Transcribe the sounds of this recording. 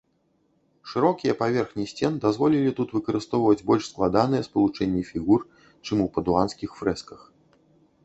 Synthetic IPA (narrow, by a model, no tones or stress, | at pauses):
ʂɨɾɔkʲijɐpavʲɛrxnʲisʲt͡sʲɛnɨd̪azvɔlʲilʲit̪ut̪vɨkɐɾɨst̪ɔwvɐd͡zʲbɔlʲʂsklˠad̪an̪ɨjɛspɐlˠut͡ʂɛnʲːifʲiɣur | t͡ʂɨmupɐd̪uanskʲixfɾɛskɐx